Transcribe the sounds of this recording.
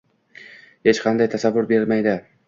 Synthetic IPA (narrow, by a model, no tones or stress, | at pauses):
he̞t͡ʃqʰɑnd̪ajt̪ʰasavːʊɾbeɾmajd̪ɪ